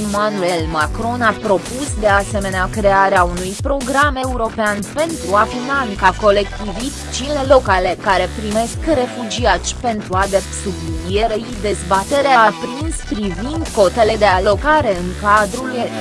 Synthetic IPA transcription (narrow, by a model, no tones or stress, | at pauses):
emanue̞lmakɾo̞napɾo̞pusd̪e̞ase̞me̞neakɾe̞aɾeaunujpɾo̞ɡɾame̞uɾo̞peanpe̞nt̪ɾuafinaŋkako̞le̞kt̪ivit̪t͡ʃile̞lo̞kale̞kaɾe̞pɾime̞skre̞fud͡ʒiat̪t͡ʃʲpe̞nt̪ɾuad̪esublinije̞ɾeid̪e̞zbat̪e̞ɾeaːpɾinspɾivind̪ko̞t̪e̞le̞d̪e̞alo̞kaɾe̞ɨŋkad̪ɾule